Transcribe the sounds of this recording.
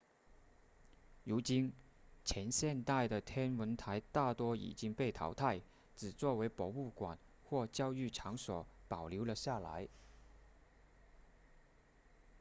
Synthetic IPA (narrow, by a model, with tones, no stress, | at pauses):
ɻu˧˥t͡ɕi˥n | t͡ɕʰjɛ˧˥nɕjɛ˥˧nt̪a˥˩ɪd̪ə˩t̪ʰjɛ˥nwə˧˥nt̪ʰa˧˥ɪt̪a˥˩t̪wɔ˥ḭ˨˩t͡ɕi˥ŋpe˥˩ɪt̪ʰɑ̰˧˥ʊt̪ʰa˥˩ɪ | t͡sɹ̩˨˩t͡swɔ˥˩we˧˥ɪpɔ˧˥u˥˩kwa̰˨˩n | xwɔ˥˩t͡ɕjɑ˥ʊy˥˩ʈ͡ʂʰɑ˧˥ŋswɔ̰˨˩pɑ˨˩ʊlju˧˥ʊlə˧ɕja˥˩la̰˧˥ɪ